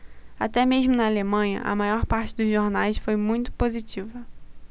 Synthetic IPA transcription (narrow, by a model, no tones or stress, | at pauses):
a̰t̪ɛmeʒmʊnɐalemɐ̃ɲɐ̰ʔɐ̰majɔɾpaɾt͡ʃɪd̪ʊzʒoɾnajsfojmũj̃t̪ʊ̥pozit͡ʃivɐ